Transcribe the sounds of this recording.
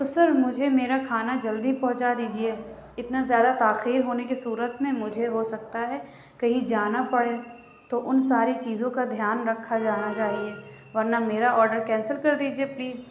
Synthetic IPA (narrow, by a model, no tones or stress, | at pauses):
t̪osɐɾmʊd͡ʒʱemeːɾakʰaːnad͡ʒɐld̪ipɔ̃ɦʊ̃t͡ʃad̪iːd͡ʒie | ɪt̪nazjaːd̪at̪aːxiːɾɦoːnekisuːɾət̪mẽmʊd͡ʒʱeɦosɐk̚t̪aɦɛ | kɐɦĩd͡ʒaːnapɐɽeː | t̪oʔʊnsaːɾit͡ʃiːzõkad̪ʱjaːnɾɐkʰːad͡ʒaːnat͡ʃaːɦie | ʋɐɾnameːɾaɔːɾɖəɾkɛ̃ːnsəlkɐɾd̪iːd͡ʒiepliːz